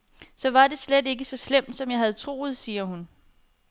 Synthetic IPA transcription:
sɒ̽ʋɑ̈de̝sled̥e̝ɡ̥əsɒ̽slem̰d̥sɒ̽mjɑ̈ɪɦæð̞̩ˠt͡sʰʁo̝̰ːð̞̩ˠsiːɐhun

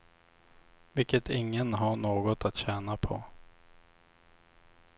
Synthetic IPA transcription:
vɪkːət̪ʰɪŋːənɦaɳoːɡɔt̪at̪ɕɛːnapʰɔ̰

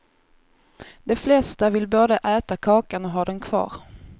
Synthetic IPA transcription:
d̪̥ɛflɛst̪avɪlboːd̪əʔɛːt̪akʰɑːkanɔɦɑːd̪ɛnkʰv̥ɑ̰ːɾ

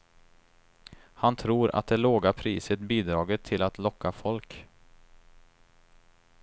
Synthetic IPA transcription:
hant̪ʰɾuːɾʔa̰t̪̚d̪ɛloːɡapʰɾiːsət̪biːd̪ɾɑːɡət̪ʰːɪlat̪lɔkːafɔlk

